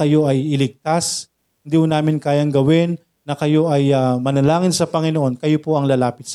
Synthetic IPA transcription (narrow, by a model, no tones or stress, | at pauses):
kɐjo̞ʔɐjɪlɪɡ̚t̪as | hɪnd̪iːhʊnaːmɪnkaːjɐŋɡɐwɪnː | ɐkɐjo̞ʔɐjamɐnɐlaːŋɪnsɐpɐŋɪnoʔo̞nkɐjopoʔɐŋlɐlaːpɪt̪̚s